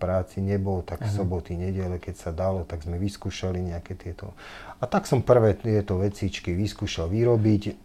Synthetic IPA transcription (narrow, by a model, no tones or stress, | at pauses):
pɾaːt͡siɲɛbɔlt̪akfsɔbɔt̪iɲɛɟɛlɛkɛcsad̪alɔt̪aɡzmɛʋiskuːʃaliɲɛakɛt̪ɪɛt̪ɔ̰at̪aksɔmpr̩ʋɛːt̪ɛt̪ɔʋɛt͡sit͡ʃkiʋiskuːʃalʋiɾɔbic